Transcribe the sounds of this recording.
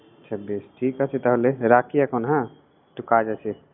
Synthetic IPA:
ətːʃʰabeːsʈʰiːkat͡ʃʰet̪ɐɦoleɾaːkijakonɦã | ʈukaːd͡ʒat͡ʃʰe

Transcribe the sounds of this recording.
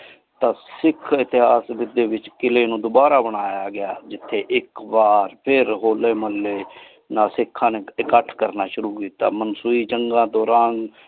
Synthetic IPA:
t̪ãːsɪkʰɪt̪ɪɦaːsbɪd̪eːʋɪt͡ʃkɪleːnũːd̪ʊbaːɾaːbəɽ̃aːjaːɡɪjaːd͡ʒɪt̪ʰːeːʔɪkbaːɾpʰɪɾɦoːleːməlːeː | nãːsɪkʰːãːnekəʈʰkəɾnaːʃʊɾuːkiːt̪a̰ːmənsuːiːt͡ʃəŋɡãːd̪ɔːɾaːn

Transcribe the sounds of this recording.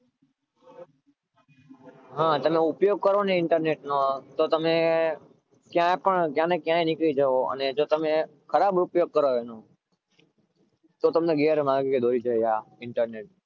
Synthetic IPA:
ɦãːt̪əmẽʊpjoːɡ̚kəɾoːnẽɪ̃ɳʈəɾneːʈnõːt̪oːt̪əmẽ | kɪjãːpəɳkjãːnẽkjãːẽnɪkit͡ʃəɦoə̰nẽːd͡ʒoːt̪əmẽ | xʰəɾaːbʊpjoːɡ̚kəɾoʋeːnoː | t̪oːt̪əmneɡeːəɾmãːɡkʰeːd̪ʱoːɾit͡ʃəɦeaːɪ̃ɳʈəɾneːʈ̚

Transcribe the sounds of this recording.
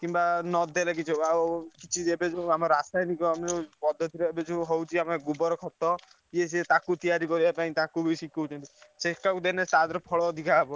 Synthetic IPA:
kimbanɔd̪ʱelakit͡ʃʰɔakit͡ʃʰiebed͡ʒũamɔɾɾasajnikɔamɔpɔd̪ʱːɔt̪ʰiɾɔebed͡ʒʰũɦowt͡ʃʰiameɡubɔɾɔkʰɔt̪ːɔ | ieset̪akut̪ijaɾikɔɾibapaĩt̪akubisikɔwt͡ʃʰɔnt̪isekːakud̪enest̪ad̪ɔɾɔpʰɔɭɔːd̪ʱikabɔ

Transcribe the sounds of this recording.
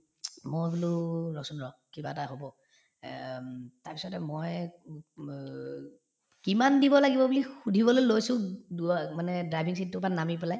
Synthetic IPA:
mobululɔksɔnɹɔkibaɛtaɦobɔ | taɹpisɔtɛmoj | kimandibɔlaɡibɔbulixudʱibɔlojlojsʊ̃damanɛdɹajbʱiŋs̬it̚tːupanamipɛlaj

